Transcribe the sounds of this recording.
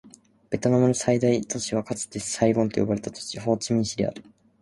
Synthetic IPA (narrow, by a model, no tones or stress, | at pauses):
b̥e̞t̪o̞namɯnosaid̪ait̪o̞ɕiβ̞akat͡sɨ̥t̪esaiɡõ̞nt̪o̞jo̞baɾe̞t̪at̪o̥t͡ɕiɦo̞ːt͡ɕimʲĩɕiɾʲia̰ɾɯ̥